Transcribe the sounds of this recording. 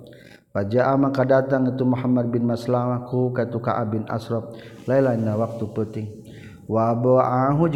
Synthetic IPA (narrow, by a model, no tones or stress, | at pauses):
wad͡ʒaʔamakadat̪aŋit̪umuɦamːad̪̚binmaslamakukait̪uka̰ʔa̰bina̰sɾɔp̚lailainawak̚t̪upət̪ɪŋ | wabɔaʔaɦud͡ʒ